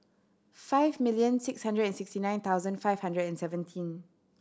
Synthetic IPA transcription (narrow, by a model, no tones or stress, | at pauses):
faɪvmiljə̃nsɪkshãndɹədɛ̃nsɪkstinãj̃nt̪ʰaʊwzə̃nfaɪv̥hãndɹədɛ̃nsɛvə̃ntʰĩn